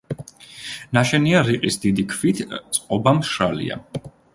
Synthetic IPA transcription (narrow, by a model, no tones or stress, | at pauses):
naʃɛniaɾiqʼisd̪id̪ikʰvit̪ʰt̪sʼqʼɔbamʃɾalḭa̰